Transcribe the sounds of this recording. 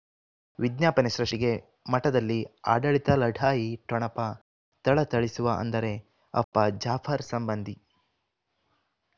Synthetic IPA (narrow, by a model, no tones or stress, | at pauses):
ʋid̪njaːpɐniʃɾɐʂiɡe̞ | mɐʈɐd̪ɐlːia̰ːɖɐɭit̪ɐlɐɖʱaːjiʈɔɳɐpɐ | t̪ɐɭɐt̪ɐɭisuʋɐɐ̰nd̪ɐɾe̞ | ɐ̰pːɐd͡ʒaːpʰɐɾsɐmbɐnd̪ʱi